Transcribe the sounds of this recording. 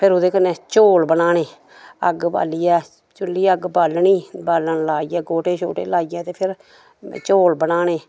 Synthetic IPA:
pʰɪɾʊd̪eːkənẽːt͡ʃoːlbənaːɳeː | ə̰ɡba̰ːliːɛː | t͡ʃʊlːiːəɡbaːlɳiːbaːləɳlaːijɛːɡoːʈeːt͡ʃʰo̰ːʈḛːlaːijãːt̪eːpʰɪɾ | t͡ʃoːlbənaːɳeː

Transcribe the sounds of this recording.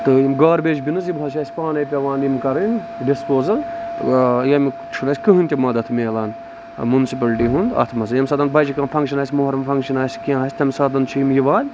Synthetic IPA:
t̪ɨjimɡaːɾbeːt͡ʃbinɨzjibɐlt͡ʃʰaːsʲpaːnɐjpʲɐʋaːnimkɐɾin | ɖispoːzɐl | jɐmi | t͡ʃʰunɐsʲkɨɦɨnʲt̪ʲɐmɐd̪ɐt̪ʰmeːlaːn | munsipɐlʈiːɦund̪ɐ̰t̪ʰmɐzɐjɐmʲsɐːd̪ɐnbɐjd͡ʒikɐːnfʰɐŋkʃɐnaːsʲmoɦɐɾɐmfʰɐŋkʃɐnaːsʲkiãːɦɐːsʲt̪ʰʲɐmʲsɐd̪ɐnt͡ʃʰijimjiʋaːlʲ

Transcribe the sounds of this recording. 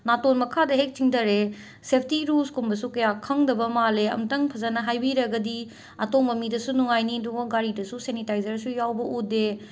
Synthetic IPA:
natonmɐkʰadɐɦek̚t͡ʃiŋdɐɾe | sep̚ʰtiɾuskumbɐsukɐjakʰɐŋdɐbɐmaleɐ̰mtɐŋpʰɐzanɐɦajbiɾɐɡɐdi | ɐtok̚mɐmidɐsunuŋajniduŋɐɡaɾidɐsusenitajzɐɾsujawbɐʔude

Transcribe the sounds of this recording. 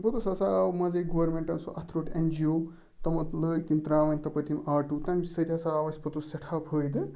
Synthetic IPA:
bɐt̪osɐsamɐzɐjɡɐwɐɾmẽɳʈɐnsuʔɐt̪ʰɾoːʈɐnd͡ʒijoː | t̪ɐmɐt̪ləːjt̪int̪ɾaːʋɐnʲt̪ɐpɐt̪imaːʈut̪ɐmʲsɐt̪ʲasaːʋɐsʲpɐt̪usɐʈʰaːphəːjd̪ɨ

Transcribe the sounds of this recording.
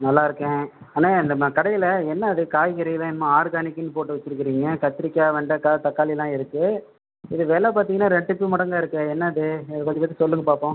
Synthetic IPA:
nɐlːaːɪɾɯkːẽː | aːnaːɪnd̪ɐmkɐɽɐjɪlɐɛnːɐːðɯkaːjɣɪɾɐjlãːɪnɐmãːaːɾɡaːnɪkːɪnːɯpoːʈːɯʋɐt͡ʃːɪɾɯkːɪɾiːŋɡɐkɐt̪ːɪɾɪkːaːʋɐɳɖɐkaːt̪ɐkːaːlɪlãːɪɾɯkːɯ | ɪðɯʋeːlɛpaːɾt̪iŋɐnːaːɾɛɳɖɯpːɯmɐɽɐŋɡaːɪɾɯkːɯɛnːɐɐðɯɪðɐpaːt̪ipːɐːt̪ːisɔlːɯŋɡɐpaːpõː

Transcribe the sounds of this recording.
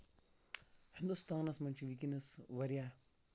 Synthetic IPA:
hind̪ust̪aːnɐsmɐnt͡ʃʰiʋikinɐsʋɐɾijaː

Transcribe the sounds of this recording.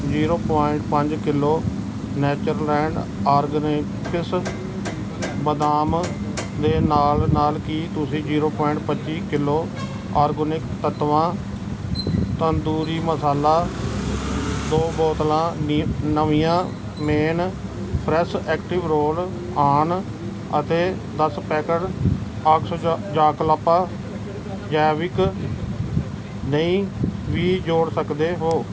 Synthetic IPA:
d͡ʒiːɾoːpaːɪɳʈpəɲd͡ʒkɪlːoː | nɛːt͡ʃəɾlːɛ̃ːɳɖaːɾɡən | kɪs | bəd̪aːm | d̪eːnaːlnaːlkiːt̪ʊsĩːd͡ʒiːɾoːpɔːɪɳʈpət͡ʃiːkɪlːoː | aːɾɡonɪkt̪ət̪ʋãː | t̪ənd̪uːɾiːməsaːlaː | d̪oːbɔːt̪lãːnəʋijãː | meːn | pʰɾɛsɛːkʈɪʋɾoːl | aːn | ət̪eː | d̪əspɛːkəɾ | əkʰsɔːd͡ʒaːkəlapaː | d͡ʒaːʋɪk | nəĩːʋiːd͡ʒoːɽsəkd̪eːɦoː

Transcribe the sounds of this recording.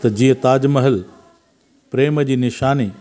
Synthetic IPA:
t̪ɐd͡ʑĩːə̃t̪aːd͡ʑməɦəl | pɾeːməd͡ʑiːnɪʃaːni

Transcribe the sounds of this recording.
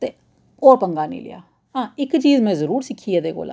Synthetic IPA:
t̪eː | oːɾpəŋɡaːnḭ̃ːlɪ̰ja̰ː | ɦãːɪkt͡ʃiːzmɛ̃ːzəɾuːɾsɪkʰːiːɛːd̪eːko̰ːla̰ː

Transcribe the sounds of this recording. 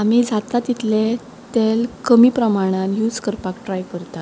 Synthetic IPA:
am̤id͡zat̪at̪it̪ʰlẽ | t̪elkəmiːpɾəmaɽ̃anjud͡zkəɾpakʈɾajkəɾt̪a

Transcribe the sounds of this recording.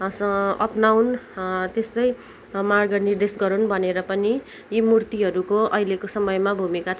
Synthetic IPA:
sʌʌpnawnt̪est̪ʌj | marɡʌnird̪esɡʌɾunbʱʌneɾʌpʌni | jimurt̪iɦʌɾukoʌilekosʌmʌjmabʱumikat͡sʰ

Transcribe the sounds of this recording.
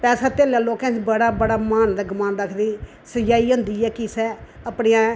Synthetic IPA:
pɛːsaːt̪eːljaːloːkɛ̃ːt͡ʃbəɽaːbəɽaːmaːnd̪aːɡʊmãːndəkʰd̪iː | səd͡ʒaːiːɦõːnd̪iːɛːkɪsɛːəpɽiãː

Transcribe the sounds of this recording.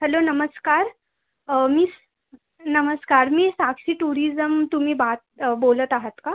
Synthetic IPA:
hɛlonəməskaːɾ | miːs | nəməskaːɾmiːsaksiːʈuːɾizəmt̪um̤iːbat̪̚bolət̪aɦət̪ka

